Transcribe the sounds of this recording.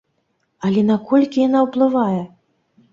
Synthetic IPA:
ɐlʲɛnakɔlʲkʲijanawplˠɨvajɛ

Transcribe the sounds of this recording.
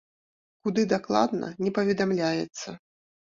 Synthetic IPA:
kud̪ɨd̪aklˠa̰d̪nɐ̰nʲɛpɐvʲɛd̪amlʲajɛ̰t̪sːɐ

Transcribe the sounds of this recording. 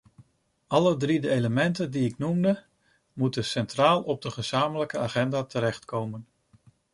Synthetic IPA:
ɑlədridəejləmɛntəndiɪknumdə | mutəsɛntraːlˠɔb̚dəχəz̥aːmələkəaːχɛndaːtəɾɛχtkowmən

